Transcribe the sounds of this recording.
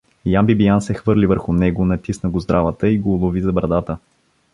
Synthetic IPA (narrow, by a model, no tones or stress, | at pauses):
jambibijansɛxvɤɾlivəɾxʊnɛɡʊnɐt̪isnəɡozd̪ɾavət̪əiɡoːlˠʊvizɐbɾɐd̪at̪ə